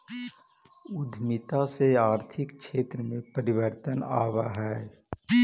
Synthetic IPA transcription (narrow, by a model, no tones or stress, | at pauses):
ʊd̪ʱmɪt̪aseaːɾt̪ʰɪkʃeːt̪ɾəmẽpəɾɪʋəɾt̪əna̰ːʋaɦɛː